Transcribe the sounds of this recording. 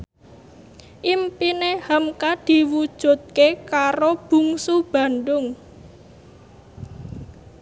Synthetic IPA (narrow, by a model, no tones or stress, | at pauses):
ʔimpinehəmkad̪̥i̤wud̥ʒ̥ṳt̪̚kekaɾob̥ṳŋsub̥a̤nɖʊŋ